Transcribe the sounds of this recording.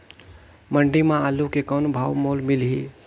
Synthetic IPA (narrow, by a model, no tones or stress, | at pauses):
məɳɖimãalukekənubʱawmolmilɦi